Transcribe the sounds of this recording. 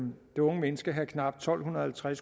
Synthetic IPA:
d̥e̝ɔ̽ŋəmenəsɡ̥əɦækʰnɑ̈b̥d̥̚t͡sʰɒ̽l̰ɦunɐhælt͡sʰʁas

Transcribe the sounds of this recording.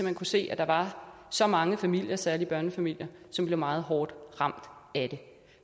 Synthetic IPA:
ɒmænkʰuse̝̰ːæd̥ɑ̈ʋɑ̈sɒ̽mɑ̈ŋəfæmil̰jɐsæɐlib̥ɶɐnəfæmil̰jɐsɒ̽mb̥le̝ʊmɑ̈ːð̞̩ˠɦɒːd̥ʁɑ̈m̰d̥æd̥e̝

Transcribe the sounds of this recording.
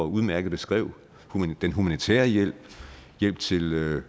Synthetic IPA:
ɒuð̞ˠmæɐɡ̥ð̩ˠb̥e̝sɡ̥ʁɛ̰ʊ̰ | hud̥enɦumænit͡sʰɛ̰ːɐjel̰b̥̚jel̰b̥̚t͡sʰe̝lø

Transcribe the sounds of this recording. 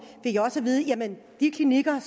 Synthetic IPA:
ʋe̝ɡjaɒ̽səʋiːð̞̩ˠəjæmən | d̥ikʰliniɡ̥ɐs

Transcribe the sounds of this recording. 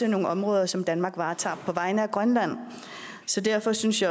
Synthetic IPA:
eno̝ːŋ̩ɒ̽mʁɔ̽ːð̞ˠɐsɒ̽md̥ænmɑ̈ːɡ̥ʋɑ̈ːt͡sʰɑ̰̈ːpʰɒ̽ʋɑ̈ɪnəæɡ̥ʁɶnlæn̰ | sɒ̽d̥æɐfɒ̽synsjɑ

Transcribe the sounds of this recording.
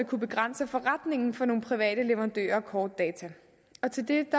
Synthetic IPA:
ekʰub̥e̝ɡ̥ʁan̰səfɒ̽ʁad̥ne̝ŋn̩fɒ̽no̝ːn̩pʰʁiʋɛ̰ːɾ̥əleʋɐʁɑ̈nd̥ø̰ːɐkʰɒːd̥̚ːɛːt͡sʰæ | ɒ̽t͡sʰe̝ld̥e̝d̥ɑ

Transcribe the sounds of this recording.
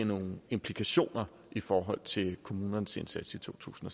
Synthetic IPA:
ɐno̝ːŋ̩e̝mpʰlikʰæɕo̝̰ːnɐ | ifɒːɦɒ̽l̰t͡sʰe̝lkʰo̝muːnɐnsensæd̥sit͡sʰo̝̰ːt͡sʰṵːsn̩ɒ

